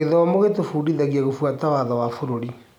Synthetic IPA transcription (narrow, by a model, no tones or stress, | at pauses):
eðɔɔmoɣetofuːɾiðaɣijaɣofwatawaðɔwafoɾoɾi